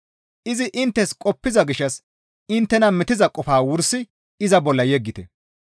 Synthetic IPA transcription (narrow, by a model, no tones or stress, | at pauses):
ʔɪzɪʔɪnt̪ːɛskʼɔpːɪzɐɡɪʃːɐs | ɪnt̪ːɛnɐmɪt̪ɪzɐkʼɔfaːwʊɾsɪ | ɪzɐbɔlːɐjɛɡːɪt̪ɛ